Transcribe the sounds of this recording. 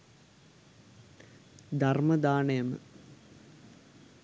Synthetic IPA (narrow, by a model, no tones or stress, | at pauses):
d̪ʱarmɐd̪aːɳəjəmə̰